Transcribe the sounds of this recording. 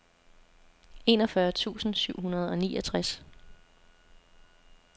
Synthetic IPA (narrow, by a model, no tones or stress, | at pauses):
e̝nɒfɶɐt͡sʰṵːsn̩syʊ̰ɦunɐð̞ˠɒ̽nḭːʔɒt͡sʰʁas